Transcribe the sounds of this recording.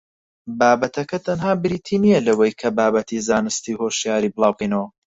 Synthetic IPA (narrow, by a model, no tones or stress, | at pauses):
baːbɐt̪ʰɐkɐt̪ʰɐnhaːbɪɾiːt̪ʰiːnijɐlɐwɐjkʰɐbaːbɐt̪ʰizaːnɨst̪iːhoʃjaːɾiblˠɑːwqinɐwɐ